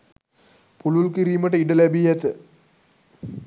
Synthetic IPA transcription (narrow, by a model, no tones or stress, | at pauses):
pululkiɾiːmɐʈəiɖəlɐbijɐt̪ə